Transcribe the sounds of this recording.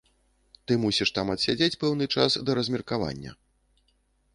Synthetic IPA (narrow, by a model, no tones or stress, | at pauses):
t̪ɨmusʲiʂt̪amɐt̪sʲad͡zʲet͡sʲpɛwnɨt͡ʂasd̪ɐɾɐzʲmʲɛrkava̰nʲːɐ̰